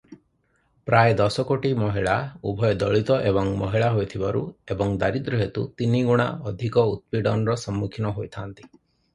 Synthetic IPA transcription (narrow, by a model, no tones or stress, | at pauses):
pɾajd̪ɔsɔkoʈimɔɦiɭaubʱɔjɔd̪ɔɭit̪ɔʔebɔŋmɔɦiɭaɦojt̪ʰibaɾuebɔŋd̪aɾid̪ɾuɦet̪ut̪iniɡuɽ̃a̰ɔd̪ʱikɔut̪̚piɖɔnɾɔsɔmːukʰinɔɦojt̪ʰaːnt̪i̥